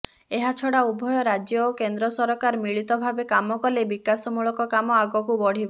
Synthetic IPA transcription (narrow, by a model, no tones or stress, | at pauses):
eɦat͡ʃʰɔɽaubʱɔjɔɾad͡ʒjɔokend̪ɾɔsɔɾɔkaɾmiɭit̪ɔbʱabekamɔkɔlebikasɔmuɭɔkɔkamɔaɡɔkubɔɽ̤ibɔ